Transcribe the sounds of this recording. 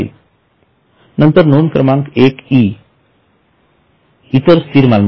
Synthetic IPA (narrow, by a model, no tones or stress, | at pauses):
ḭ | nənt̪əɾnoːnkɾəmaːŋkeːkiː | it̪əɾst̪iːɾmalm